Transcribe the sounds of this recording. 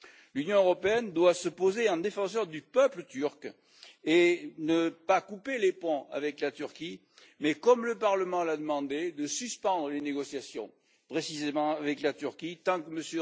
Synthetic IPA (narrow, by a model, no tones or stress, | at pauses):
lynjɔ̃øʁɔpeɛnd̪wasəpozeɑ̃d̪efɑ̃s̬œʁd̪ypœplət̪yʁk | enəpakupelepɔ̃a̰vɛklat̪yʁki | mɛkɔmləpaʁləmɑ̃lad̪əmɑ̃d̪ed̪əsyspɑ̃d̪ʁəleneɡɔsjasjɔ̰̃ | pχesizemɑ̃avɛklat̪yʁkit̪ɑ̃kəməsjə